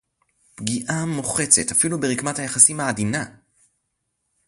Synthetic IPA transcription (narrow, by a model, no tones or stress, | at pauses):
pɡiʔamoχe̞t͡se̞tafilubeʁikmathajeχasimhaːdina